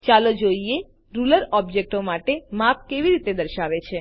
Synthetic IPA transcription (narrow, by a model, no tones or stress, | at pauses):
t͡ʃalod͡ʒoie | ɾuləɾɔbd͡ʒek̚ʈomaʈemap̚keʋiɾit̪ed̪əɾʃaʋet͡ʃʰe